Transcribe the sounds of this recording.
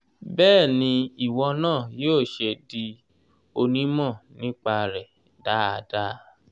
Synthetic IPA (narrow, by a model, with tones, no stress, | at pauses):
bɛː˦˨nĩ˧i˨wɔ˧nãː˦˨joː˦˨ʃe˧di˧ | o˧nĩ˦mɔ̃˦˨nĩ˦k͡pa˧ɾɛ˨ | da˨˦a˧da˦